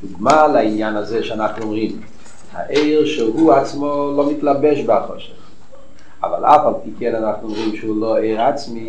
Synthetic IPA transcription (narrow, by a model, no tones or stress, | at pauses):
duɡmalainjanazɛʃeanaχnuɔmʁim | ha̰ʔeɪʁʃɛɦuat͡smolomitlabɛʃbaχɔ̰ʃɛχ | a̰va̰la̰falˠpikɛnanaχnuɔmʁimʃehuloeɪʁat͡smi